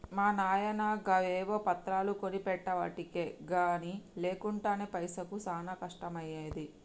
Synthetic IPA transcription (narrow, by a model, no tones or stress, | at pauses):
maːnaːjɐnaːɡɐʋeːʋoːpɐt̪ɾaːlukonipɛʈːɐʋɐ̰ʈike̞ːɡaːnile̞ːkuɳʈaːneːpɐjsɐkusaːnɐkɐʂʈɐmɐjeːd̪i